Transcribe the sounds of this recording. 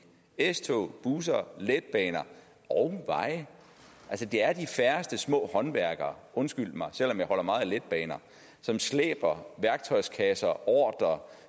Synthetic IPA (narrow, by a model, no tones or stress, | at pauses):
est͡sʰo̰b̥uːs̬ɐled̥̚b̥ɛːnɐ | ɒʊʋɑ̈ɪ̰ | ʔælsəd̥e̝æɐd̥ifæɐsd̥əsmɔ̰̽ːhɒ̽nʋæɐɡ̥ɐɔ̽nsɡ̥yl̰d̥mɑ̈ɪsel̰ɒ̽mjɑ̈ɪhɒ̽l̰ɐmɑ̈ːð̞̩ˠled̥̚b̥ɛːnɐ | sɒ̽mslḛːb̥ɐʋæɐɡ̥̚t͡sʰɒ̽ɪskʰɛsɐʔɒːd̥ɐ